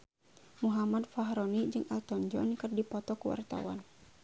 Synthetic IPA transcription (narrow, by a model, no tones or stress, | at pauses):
muɦamad̪faɦɾɔnid͡ʒɨŋalt̪ɔɲd͡ʒɔ̰nkɨrdipɔt̪ɔkuwa̰rt̪a̰wa̰n